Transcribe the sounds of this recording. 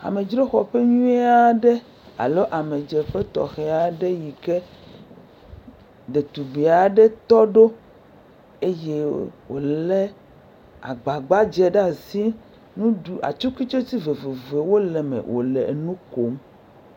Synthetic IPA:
a̰˨me˨d͡ʒɾe˦xɔ˨ɸe˦ɲũ˦e˦a˦ɖe˦ | a̰˨lo˦ʔa˨me˨d͡ʒe˨ɸe˦t̪ɔ̰˨xe˨a˨ɖe˦ji˨ke˦ | ɖe˨t̪u˨be˨a˨ɖe˦t̪ɔ˦ɖo˦ | e˦je˦wo̰˨lɛ˦ | a̰˨ɡ͡ba˨ɡ͡ba˦d͡ʒɛ˦ɖa˦si˦ | nũ˦ɖu˨a̰˨t͡ʃu˦ki˦t͡ʃo˦t̪i˦ve˨ve˨ve˨wo˦le˨mḛ̃˨wʔo̰˨lḛ˨e˨nũ˦ko˨˦m

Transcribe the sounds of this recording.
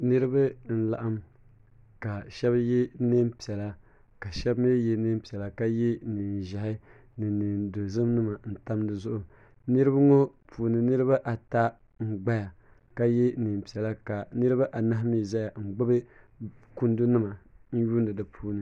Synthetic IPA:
nɨ˦ɾɨ˦ba˦n̩˦˨la˨ʔa˦m | ka˨ʃɛ˦bje˦nɨ˦m˦pi˨ɛ˨la˦ | ka˨ʃɛ˦bme˦je˦nɨ˦m˦pi˨ɛ˨la˨ka˦je˦ni˨n˨ʒa˨hɪ˦ | nɨ˨ni˨ndo˨zɨ˦mnɨ˦ma˨n̩˨ta˦mdɨ˨zʊ˦ʔʊ˨ | nɨ˦ɾɨ˦ba˦ŋo˦ | pʰuː˨nɨ˨nɨ˦ɾɨ˦βa˦ʔa˨ta˦ | ŋ͡m̩˦˨ɡ͡ba˦ja˨ | ka˦je˦nɨ˨m˨pi˨ɛ˨la˦ka˨nɨ˦ɾɨ˦ba˦ʔa˨na˦hmi˦˨za˦ja˨ŋ͡m̩˨ɡ͡bɨ˦bɨ˦ | ku˦ndu˦nɨ˦ma˨n̩˦ju˦ndɨ˨dɨ˨pʰuː˦nɨ˦

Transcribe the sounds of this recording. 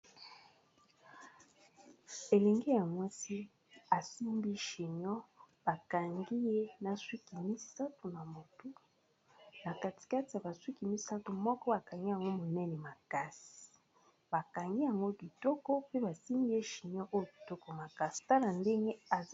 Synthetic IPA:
e˨lɛ˨ŋɡe˦ja˨mwa˦si˦ | a˨si˦mbi˦ʃi˨ɲɔ˦ | b̥a˨ka˨ŋɡi˦je˦na˨swi˦ki˨mi˦sa˦tu˨na˨mo˨tu˦ | na˨ka˨ti̥˨ka˦ti˨a˨ba˨swi˦ki˨mi˦sa˦tu˨mɔ˦kɔ˦ba˨ka˨ŋɡi˦ja˨ŋɡo˦mo˨nɛ˦ne˨ma˨ka˦si̥˨ | ba˨ka˨ŋɡi˦ja˨ŋɡo˦bi˨to˦kɔ˦pe˦ba˨si˦mbi˦je˦ʃi˨ɲɔ˦ʔo˦jo˨bi˨to˦ko˨ma˨ka˦si̥˨ta˦la˨nde˦ŋɡe˦a˨

